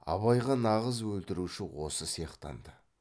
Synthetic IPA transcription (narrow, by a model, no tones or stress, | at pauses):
ɑ̰βɑjʁɑnɑʁəzwɵlt̪ɪɾuʃɪwo̞səsijɑqt̪ɑ̰nd̪ə